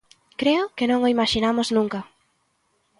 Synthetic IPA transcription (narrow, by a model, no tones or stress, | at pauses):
kɾeʊkenõŋoimaʃinamʊznũŋkɐ